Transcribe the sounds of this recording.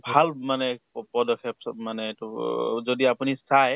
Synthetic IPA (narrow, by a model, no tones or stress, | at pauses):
bʱalmanɛpɔdɔkʰɛpmanɛtuzodiapunisaj